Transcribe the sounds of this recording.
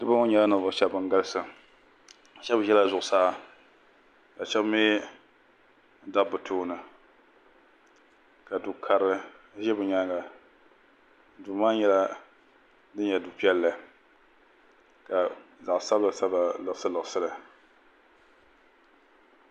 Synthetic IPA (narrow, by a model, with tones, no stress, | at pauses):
dɨ˦ba˦ʊ˦ɲɛ˦la˦nɨ˨vʊ˨t͡ʃɛ˦bɨ˨ŋɡa˦lɨ˦sɨ˨ | t͡ʃɛ˦bɨ˨ʒɛ˦la˦zʊ˨ʊ˨saː˦ | ka˨t͡ʃɛ˦bmi˦ | n̩˦da˦˨bɨ˨tʰuː˦nɨ˨ | ka˨du˨kʰa˨ɾɨ˦ | ʒɛ˦bɨ˨ɲa˦ɡa˨˦ | du˨maː˦ɲɛ˦la˦ | dɨ˦ɲɲɛ˨du˨pi˦ɛ˦lːa˨ | ka˨za˨ʔsa˦ba˨sa˦ba˨lɨ˨sɨ˦lɨ˨sɨ˦la˨